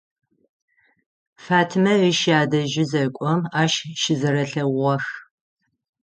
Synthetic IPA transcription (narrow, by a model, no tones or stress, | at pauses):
faːtʰmɐiʃjaːdɐʒɪzɐkʷʼɔmaːʃʃɪzɐɾɐɬɐʁɔx